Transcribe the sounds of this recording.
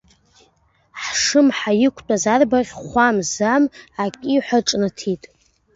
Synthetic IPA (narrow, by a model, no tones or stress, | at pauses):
ħʂɨmħajɪkʷʰt͡pʷʼazarbaʁʲχʷamzamakʲʼiħʷaʈ͡ʂʼnɨtʰitʼ